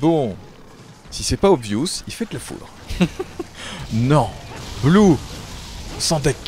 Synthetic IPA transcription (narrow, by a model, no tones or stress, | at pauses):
bɔ̃ | sisɛpaɔbvjusilfɛd̪lafṵd̪ʁ | nɔ̃blu | sɑ̃d̪ɛk